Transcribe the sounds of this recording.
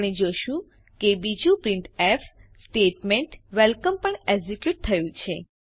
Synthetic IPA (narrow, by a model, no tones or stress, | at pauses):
ɽ̃ed͡ʒoʃũ | kebid͡ʒũpɾĩɳʈefsʈeʈmeɳʈʋelkəmpəɳeɡzikjuʈ̚t̪ʰəjũt͡ʃʰe